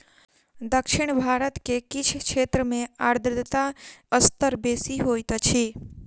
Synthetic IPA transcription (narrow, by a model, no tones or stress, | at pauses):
d̪əkʃɪɽ̃bʱaːɾət̪kekɪt͡ʃʰkʃʰeːt̪ɾəmẽaːɾd̪ʱəd̪t̪aəst̪əɾbeːsiɦoːjt̪t͡ʃʰi